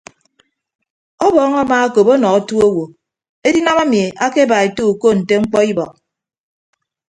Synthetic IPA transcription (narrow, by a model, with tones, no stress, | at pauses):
ɔ˦bɔː˦ŋa˦maː˦a˦ko˨po˦nɔ˨ka˦tu˦o˦wo˨ | e˦di˦na˦ma˦mi˨a˦ke˦ba˨e˨to˦u˨ko˦˨n̩˨te˦ŋ͡m̩˦k͡pɔ˦i˦bɔ̰˨k̚